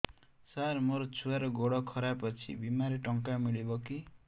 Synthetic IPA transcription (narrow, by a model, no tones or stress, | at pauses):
saɾmoɾɔt͡ʃʰuaɾɔɡoɽɔkʰɔɾapʌt͡sʰḭbimaɾeʈʌŋkamiɭibʌki